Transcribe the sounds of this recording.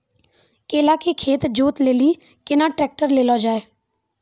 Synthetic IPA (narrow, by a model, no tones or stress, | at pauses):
keːlakekʰeːt̪d͡ʒuːt̪leːli | kɪnaʈɾɛːk̚ʈəɾleːlod͡ʒaːeː